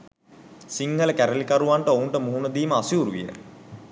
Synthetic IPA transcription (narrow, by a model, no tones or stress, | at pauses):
siŋhələkæɾəlikaɾuʋaɳʈəouɳʈəmuɦunəd̪iːməasjuːɾuʋijə̰